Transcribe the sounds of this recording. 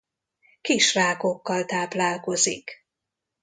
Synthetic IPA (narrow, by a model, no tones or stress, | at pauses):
kiʃraːko̞kːɒlt̪aːplaːlko̞zik